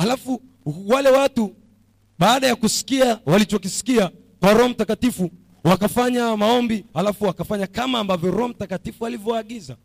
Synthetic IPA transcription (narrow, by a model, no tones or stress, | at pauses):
halafu | walɛwatu | ɓaːɗajakusi̥kiawalit͡ʃɔkisi̥kia | kwaɾɔɔm̩takatifu | wakafaɲamaɔmbihalafuwakafaɲakamaːmbavjɔɾɔɔm̩takatifualivjɔwaɠiza̰